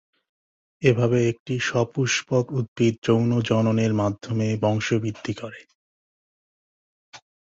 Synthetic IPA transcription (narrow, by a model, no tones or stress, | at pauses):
ebʱabeek̚ʈiʃɔpuʃpokut̪̚bit̪̚d͡ʑownod͡ʑɔnoneɾmad̪ʱːomebɔŋʃobid̪ʱːikoɾe